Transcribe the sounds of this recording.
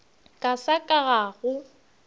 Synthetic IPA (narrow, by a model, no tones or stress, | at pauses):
kʼasakʼaɣaɣʊ